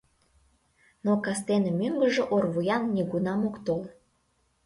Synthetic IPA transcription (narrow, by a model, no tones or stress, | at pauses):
nokɑst̪enemyŋɡəʒĕʔorvujɑnːiɡunɑmokt̪ol